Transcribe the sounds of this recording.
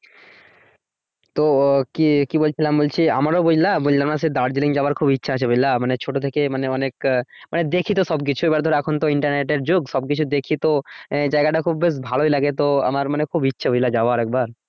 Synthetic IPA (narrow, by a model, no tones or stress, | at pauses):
t̪okikibolt͡ɕʰilambolt͡ɕʰia̰maɾobod͡ʑlabojlanas̬ed̪aɾd͡ʑiliŋd͡ʑaoaɾkʰubitːɕʰaat͡ɕʰebojlamanet͡ɕʰoʈot̪ʰekemaneɔnekmaned̪ekʰit̪̬oʃɔbk̬it͡ɕʰuebaɾd̪ʱɔɾeɛkʰont̪oiɳʈaɾneʈeɾd͡ʑoɡʃɔb̚kit͡ɕʰud̪ekʰit̪od͡ʑaeɡaʈakʰubːeʃ̬bʱaloilaɡet̪oa̰maɾmanekʰubitːɕʰabojlad͡ʑaoaɾɛk̚baɾ